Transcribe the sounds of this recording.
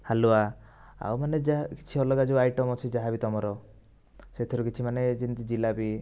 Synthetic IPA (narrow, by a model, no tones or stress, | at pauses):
halua | a̰wmaned͡ʒaki̥t͡ʃʰiɔlɔɡad͡ʒoajʈɔmɔt͡ʃʰid͡ʒaɦabit̪ɔmɔɾɔ | set̪ʰiɾukit͡ʃʰimaned͡ʒint̪id͡ʒilabi